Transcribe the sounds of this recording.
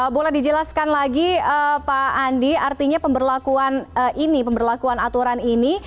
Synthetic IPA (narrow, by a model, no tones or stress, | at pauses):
əbolɛhdid͡ʒəlaskanlaɡiəpaːndiart̪iɲapəmbərlakuanəʔinipəmbərlakuanat̪uɾanini